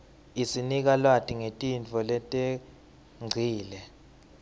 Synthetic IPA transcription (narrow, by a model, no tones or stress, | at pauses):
isinik̬alwatʼiŋetʼint͡fʰʼɔlɛtʼɛ | ŋ͡ǀʱiːlɛ